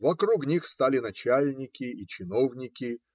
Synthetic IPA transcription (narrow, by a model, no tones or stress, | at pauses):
vɐkɾuknʲixst̪alʲɪnɐt͡ɕalʲnʲɪkʲɪːt͡ɕɪno̞vnʲɪkʲɪ